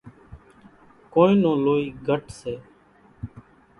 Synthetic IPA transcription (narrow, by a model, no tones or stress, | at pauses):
koːĩːnõːloːiːɡʱəʈseː